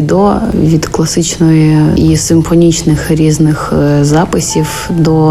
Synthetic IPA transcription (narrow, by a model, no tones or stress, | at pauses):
d̪ɔʋʲid̪klˠɐsɪt͡ʃnɔjʊisɪmfɐnʲit͡ʃnɪxɾʲiznɪxzɑpɨsʲif | d̪ɔ